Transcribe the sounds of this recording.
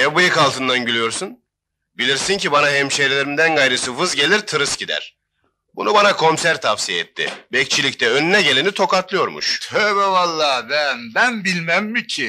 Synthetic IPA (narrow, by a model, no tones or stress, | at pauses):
jabɯjɯkalˠt̪ʰɯnd̪anɟylʲyjo̞ɾsun | bilʲiɾsincibanaɦɛmʃejɾlʲeɾimd̪ænɡajɾɯsɯfɯzɟe̞lʲiɾt̪ʰɯɾɯsɟid̪æ̰ɾ̥ | bunubanakʰo̞nsæɾt̪ʰafsijeɛ̰t̪ʰːɪ̰bɛc̚t͡ʃʰilʲict̪ʰɛønynɛɟe̞lʲenit̪ʰo̞kat̪lˠɯjo̞ɾmṵʃɛβɛvalˠːaːbænd̪ænbilʲmæmːicʰi